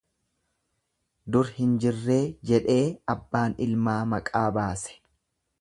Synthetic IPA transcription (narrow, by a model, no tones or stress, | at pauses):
d̪ʊɾhɪnd͡ʒɪrːe̞ːd͡ʒɛᶑe̞ːɐbːaːnɪlmaːmɐkʼaːbaːsɛ̥